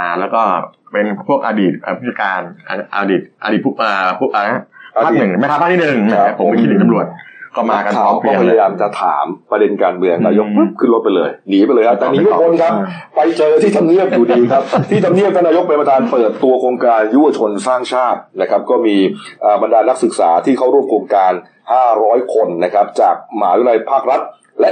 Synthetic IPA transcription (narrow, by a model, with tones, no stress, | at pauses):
lɛː˦˥wkɔː˥˩pe˧npʰu˥˩ək̚ʔaː˧diː˨˩t̪̚ʔaː˨˩u˥˩t͡ɕa˧˩kaː˧nʔʔa̰ː˧diː˨˩t̪̚ʔa̰˧diː˨˩t̚pʰʔəː˨˩pʰu˥ʔna˦˥ʔa˧a˦˥˨nɯ˨˩ŋma˥˩kʰa˦˥pʰaː˥˩i˥˩nɯ˨˩ŋma˥˩a˦a˦˥pʰo˩˦mi˧kʰi˦˥ni˨˩˦t͡ɕa˧mɾu˨˩ət̪̚kɔː˥˩maː˧ka˧nʰaː˧ɔ˨˩kɔː˥˧pʰjaa˧jaː˧mt͡ɕa˨˩t̪ʰa̰ː˩˦mpɾa˧de˧nkaː˧nmɯ˧əŋnaː˧jo˦˥k̚ɯ˦˥p̚kʰɯ˥˩nlo˦˥t̪̚pa˧jlɤː˧jniː˩˦pa˧jlɤː˧jkʰa˦˥t̪ɛː˨niː˨˦t̪ʰu˥˩kʰo˧nkʰa˦˥p̚ː | a˧jt͡ɕɤː˧t̪ʰiː˥˩t̪ʰa˧mni˥˩əp̚juː˨˩diː˧kʰa˦˥p̚t̪ʰiː˥˩t̪ʰa˧mni˥˩əp̪̚ːɔ˧˥˩naː˧jo˦˥k̚pa˧jma˧t̪ʰaː˧npɤː˨˩t̪ːu˧ɐkʰɾoː˧ŋkaː˧nju˦˥˩wa˧˩t͡ɕʰo˧nsaː˥˩ŋt͡ɕʰaː˥˩t̪̚na˦˥kʰa˦˥p̚kɔː˥˩miː˧ʔaː˨˩ba˧ndaː˧na˦˥k̚sɯ˨˩k̚sa̰ː˩˦t̪ʰiː˥˩kʰa˥˩wɾu˥˩əmkʰoː˧ŋkaː˧n | haː˥˩ɾɔː˦˥jkʰo˧nːa˦˥kʰa˦˥p̚t͡ɕaː˨˩k̚ma̰ː˩˦ju˦˥˩na˧jpʰaː˥˩k̚ɾa˦˥t̪̚ | lɛ˦˥ʔ